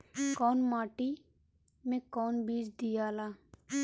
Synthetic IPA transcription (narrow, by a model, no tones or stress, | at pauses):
kɔːnmaːʈiː | mẽkɔːnbiːd͡ʒd̪ijaːlaː